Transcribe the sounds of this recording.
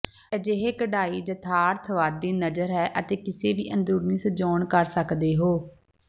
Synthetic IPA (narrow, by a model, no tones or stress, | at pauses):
ɛːd͡ʒeɦeːkəɖaːiːd͡ʒət̪ʰaːɾt̪ʰʋaːd̪iːnəd͡ʒəɾɦɛːʔət̪eːkɪseːʋiːʔənd̪ɾuːɾniːsəd͡ʒoːɳkəɾsəkd̪eːɦoː